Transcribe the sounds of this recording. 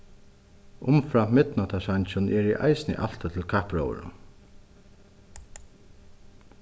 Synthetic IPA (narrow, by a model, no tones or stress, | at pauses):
ʊmfɾamɪt̪nɔt̪ʰasaɲt͡ʃʊnʔɛɹɛ̰ʔa̰jsɪnɪ̰ʔa̰l̥t̪at̪ʰɪlkʰapɹo̰ːwə̰nʊ̰